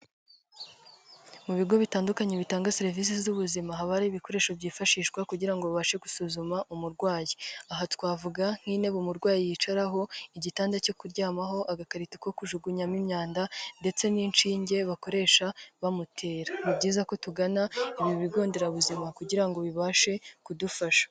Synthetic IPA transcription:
muβiɡo̞βitaːndukaɲe̞βitaːŋɡaseɾivis̬izuβuzimaɦaβaɾaiβiko̞ɾe̞ːʃo̞bɟiːfaʃiːʃɡwakuɟiɾaŋɡoββaʃe̞ɡusuzumaʔumuɾɡwaːjeaɦatkwaːvuɡaŋ̥hiːne̞βumuɾɡwaːjijiːt͡ʃaɾaɦo̞iɟitaːndaco̞kuɾɟaːmaɦo̞ʔaɡakaɾitiko̞kuʒuɡuɲamimɲaːndande̞t͡se̞ninʃiːɲɟe̞βako̞ɾe̞ːʃaβamutʰe̞ːɾamibɟiːzako̞tuɡanaiβjoβiɡo̞ːnde̞ɾaβuzimakuɟiɾaŋɡo̞βiβaːʃe̞kudufaʃḁ

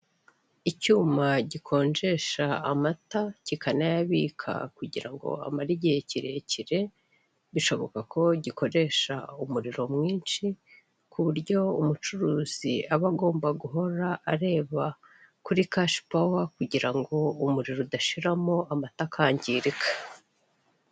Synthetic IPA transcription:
icuːmaɟikʰo̞ːnd͡ʒe̞ʃaːmatacikanajaβiːkʰa̰kuɟiɾaŋɡo̞̰a̰maɾiɟeeciɾe̞ciɾe̞ | βiʃo̞βo̞̰kakʰo̞ɟiko̞ɾe̞ʃa̰umuɾiɾo̞mŋiːnt͡ʃi | kʰuβuɾɟo̞umut͡ʃuɾuːz̥iaβaɡo̞ːmbaɡuɦo̞ɾaʔaɾe̞ːβa | kuɾikaʃi̥pawakuɟiɾaŋɡo̞umuɾiɾodaʃiɾamo̞amatakʰaːɲɟiːɾikʰḁ

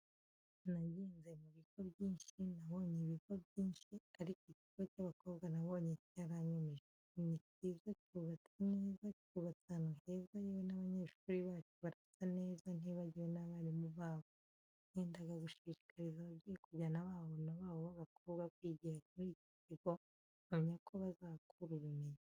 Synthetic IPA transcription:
naɟeːnze̞muβiɡo̞βɟiːnʃinaβo̞ːɲeβiɡo̞bjiːnʃiaɾikiciɡocaβako̞ːβɡanaβo̞ːɲecaɾaɲumiʒe | nicizackuβat͡sane̞ːzackuβat͡sanahezaiwenaβaɲe̞ːʃuːɾiβaːt͡ʃuβaɾafi̥tane̞ːzan̥iβaɟiwenaβaɾimuβaːβo̥ | eːndaɡaɡuʃiʃi̥kʰaɾizaβabɟijekuɟanaβaːβo̞naβaːβoβaβakʰoːβɡakwiɟeɾamuɾici̥tiɡo̞ | amɲakʰoβazaːkuɾuɾume̞ɲa

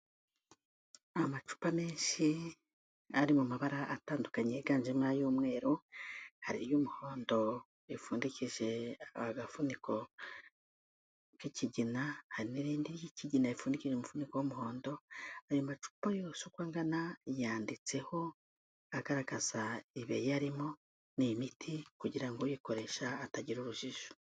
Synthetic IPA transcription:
amat͡ʃu̥pame̞ːnʃi | aɾimumaβaɾaʔataːndukaɲeɡaːnʒemŋajuːmŋe̞ːɾuhaɾiɾjumuho̞ːndo̞ | ifuːndiciʒe̞aaɡafuniko̞ | kiciɟinahaɾiniɾiːndiɾjiciɟinaifuːndiciʒeomufunikowomuho̞ːndo̞ajomat͡ʃu̥pajosukwaːŋɡanajaːndit͡se̞ho̞ | aɡaɾaɡaz̥aiβejaɾimo̞ | nimitʰikuɟiɾaŋɡojiko̞ɾe̞ʃaːtaɟiɾuɾuʒiʒo̥

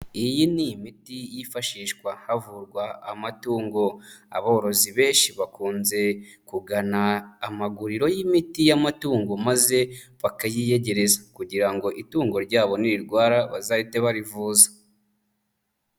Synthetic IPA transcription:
ijiniimitijifaʃiːʃkwahavuɾɡwaːmatuːŋɡo̞a̰βoɾo̞ziβe̞ːnʃiβakuːnze̞kuɡanaːmaɡuɾiɾo̞jimitijamatuːŋɡo̞maze̞βakajije̞ɟe̞ɾe̞zakuɟiɾaŋɡo̞ʔituːŋɡo̞ɾɟaːβo̞niɾiɾɡwaːɾaβazaite̞βaɾivuːzḁ

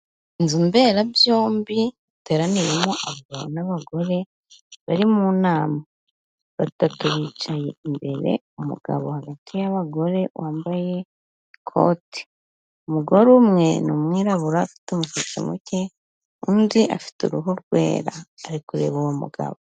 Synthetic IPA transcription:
inzimbe̞ːɾabjo̞ːmbiβite̞ːɾaniɾemoʔaβɡaβo̰naβaɡo̞ɾe̞ | βaɾimuːnaːma | βatatuɾit͡ʃaje̞̰imbe̞ɾe̞̰ | umṵɡ̥a̰βohaɡatʰijaβaɡo̞ɾe̞wʔaːmbaje̞ | kʰo̰ti̥ | umuɡo̞ɾumŋe̞nomwiːɾaβuɾaːfi̥tomuʃit͡ʃḭmuce | undiʔa̰fi̥tṵɾuɦuɾɡwe̞̰ːɾa̰ːɾikuɾe̞̰βowomṵɡa̰βo

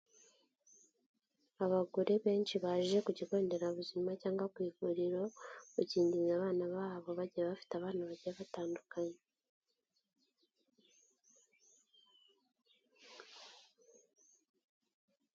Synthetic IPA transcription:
aβaɡuɾeβe̞ːnt͡ʃiβaːʒʒe̞kuɟiko̞ːnde̞ɾaβuzimacaːŋɡakwiːvuɾiɾo̞uciːndinaβaːnaβaːβo̞βaɟiaβafi̥taβaːnaβaɟiɾaβataːndukaɲe

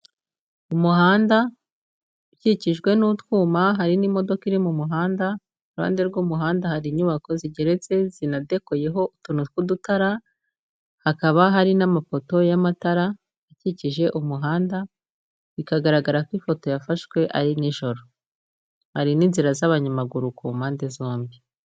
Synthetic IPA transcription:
umuɦaːnda | uciciʒɡwe̞nutwuːmaɦaɾinimo̞do̞kiɾimumuɦaːnda | uɾha̰ːnde̞ɾɡuːmuɦaːndahaɾiɲuβako̞ziɟe̞ɾe̞t͡se̞zinade̞koje̞ɦo̞utunukudutaɾa | hakaβaɦaɾinamafo̞to̞jamataɾa | aciciʒe̞ʔumuɦaːnda | βikaɡaɾaɡaɾakwifo̞to̞jafaʃwe̞ʔa̰ɾiniʒo̞ɾo̞ | haɾiniːnziɾazaβaɲamaɡuɾukumaːndezo̞ːmbi

